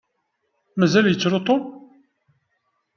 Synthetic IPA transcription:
mæzæljət͡sːɾot̪ˤom

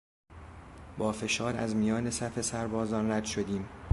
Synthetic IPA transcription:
bɒːfe̞ʃɒːɾæzmijɒːne̞sæfe̞sæɾbɒːzɒːnræd̪̥ʃod̪iːm

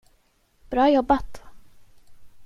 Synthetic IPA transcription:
b̥ɾɑːjɔbːat̪

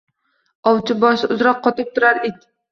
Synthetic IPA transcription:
ɒwt͡ʃʰɪbɒʃʊzɾɒqʰːɒt̪ɪp̚t̪ʰʊɾaɾed̪ɪ

